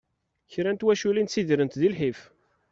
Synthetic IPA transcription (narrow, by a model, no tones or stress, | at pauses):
çɾænt̪wæʃulint̪sid̪ɾənt̪ðilħif